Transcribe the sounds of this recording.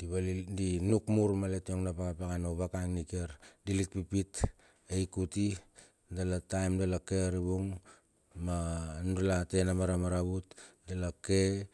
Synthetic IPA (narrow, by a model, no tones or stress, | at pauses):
d̥iβalidinukmuɾmaletioŋnapakapaɡanoβakaŋnikieɾdilit̚pipit | ejkuti | dalatajmdalakeaɾiβuŋ | manudalate̞namaɾamaɾaβutdalake